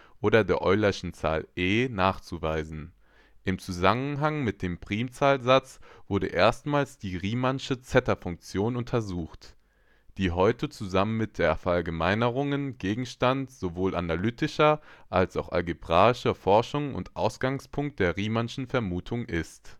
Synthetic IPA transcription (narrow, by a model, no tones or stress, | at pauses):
ʔoːɾɐdeːɐʔɔʏlɐɪʃn̩t͡sa̰ːlʔeːnaːχt͡suvaɪzn̩ | ʔɪmt͡suzamənɦaŋmɪt̚d̥eːmpʁ̥iːmt͡saːlzat͡sv̥ʊɐdə̰ʔeːɐstmaːlsd̥iːʁiːmanʃət͡sɛtɐfʊŋk̚t͡sjoːnʊntʰɐzuːxt | d̥iːɦɔʏtət͡suzamənmɪt̚d̥eːɐfɛɐʔalɡəmaɪnəʁ̞ʊŋənɡ̥eːɡŋ̩ʃtantz̥ovoːlʔa̰nalyːtɪʃɐʔalsa̰ʊxʔa̰lɡibʁaːɪʃɐfɔɐʃʊŋʊ̰ntʔaʊsɡ̥aŋspʰʊŋk̚t̚d̥eːɐʁiːmanʃn̩fɛɐmuːtʰʊŋʔɪst